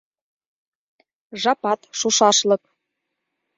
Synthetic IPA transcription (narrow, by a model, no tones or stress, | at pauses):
ʒɑpɑt̪ʃuʃɑʃlɤ̆k